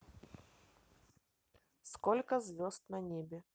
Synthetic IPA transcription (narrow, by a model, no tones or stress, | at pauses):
skolʲkəzvʲost̪nɐnʲebʲɪ